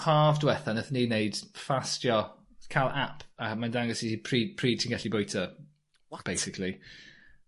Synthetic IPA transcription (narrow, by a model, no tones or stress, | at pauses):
haːvdwɛθanəθniːnejd̥fastjɔ | kʰalˠapʰəmandaŋɡəsiipʰriːpʰriːtʰɪŋɡɛɬibojtʰə | b̥ejsɪkʰlˠi